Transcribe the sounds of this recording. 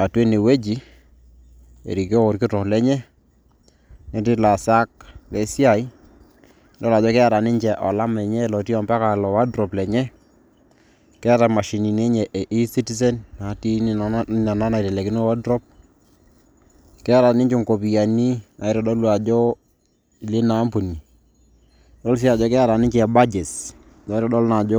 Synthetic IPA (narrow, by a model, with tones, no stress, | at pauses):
a˨twe˦ne˨we˦d͡ʒi˦ | ḛ˨ɾi˨ki˦o˦o˨ɾkɪ˦tɔ˨lɛ˦ɲɛ˦ | nɛ˦ti˦la˨sa˦k̚lɛ˨si˦a˨i˦ | ndɔ˦la˨d͡ʒɔ˦kɛ˦a˦ɾa˨ni˦ɲd͡ʒɛ˨ʔɔ˨la˦mɛ˨ɲɛ˦lɔ˨ti˦ɔ˨mba˦ka˨lɔ˨wa˦dɾɔ˨plɛ˨ɲɛ˦ | kɛ˦a˦ta˨ma˨ʃi˨ni˨ne˦ɲɛ˨ʔe˨ʔi˦si˦ti˦s̬ɛ˦nna˨˦ti˦˨na˨na˦na˨tɛ˨lɛ˨kɪ˦no˦wa˦dɾɔ˦p̚ | kɛ˦a˦ɾa˨nɪ˦ɲt͡ʃɪ˦˨ŋko˨pi˨ja˨ni˦a˨ɪ˦ɾɔ˨ɗɔ˦lu˨a˨d͡ʒɔ˦˨ | lɪ˦na˨˦mpu˨ni˨ | dɔ˦ls̬i˦a˨d͡ʒɔ˦kɛ˦a˦˨ɾa˨nɪ˦ɲt͡ʃɛ˦ɛ˨ba˦d͡ʒe˨s | dɔ˨˦ɾɔ˦ɗɔ˦lna˨d͡ʒɔ˦